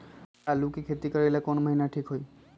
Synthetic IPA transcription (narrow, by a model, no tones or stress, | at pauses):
alʊkekʰetikaɹilɛkɔnməɦinaʈʰikɦoj